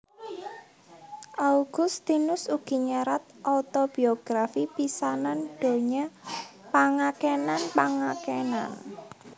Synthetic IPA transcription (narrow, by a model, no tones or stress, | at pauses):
ʔauɡ̥ʊst̪inʊsuɡ̥i̤ɲaɾat̪̚ʔɔt̪ob̥i̤ɔɡ̥ɾafipisanand̪̥o̤ɲapaŋakenanpaŋakena̰n